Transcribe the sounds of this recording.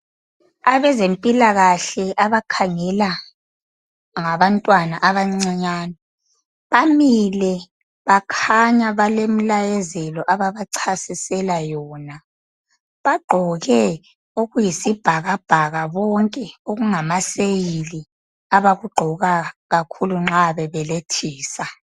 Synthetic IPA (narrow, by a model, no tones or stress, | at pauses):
aβɛzempʼilaɣaɬɛʔaβakʰaŋɛla | ŋaβantʼwanaʔaβaŋ͡ǀiɲaːna | βamilɛ | βakʰaɲaβalem̩lajɛzɛlɔʔaβaβaǀʰasisɛlajɔːna | βaɡ͡ǃʱɔɣɛ | oɣujisib̥ʱaɣab̥ʱaɣaβɔŋkʼɛoɣuŋamasejili | aβaɣuɡ͡ǃʱɔɣaɣakʰuluŋ͡ǁaβɛβɛletʰiːsa